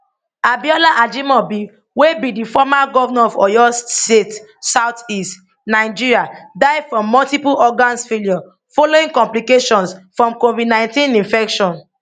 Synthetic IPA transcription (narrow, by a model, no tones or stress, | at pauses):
abiɔlaʔad͡ʒimɔbi | webidifɔmaɡɔvnaɔvɔ̰jɔsset | saʊtist | naɪd͡ʒiɹiadaɪdfɹɔ̃mːɔltipuɔɡãnsfeljɔ | foloĩŋkɔ̃mplikeʃɔ̃nsfɹɔ̃mkovidnãɪ̃ntĩnĩnfɛkʃɔ̃n